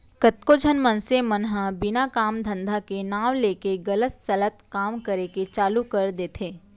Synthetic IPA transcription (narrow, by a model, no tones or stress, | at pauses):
kət̪kod͡ʒʱənmə̃nsemənɦə̃bɪnakaːmd̪ʱə̃nd̪ʱakenaːʋleːkeɡɐlət̪sɐlət̪kaːmkəɾeket͡ʃaːlukɐɾd̪eːt̪ʰeː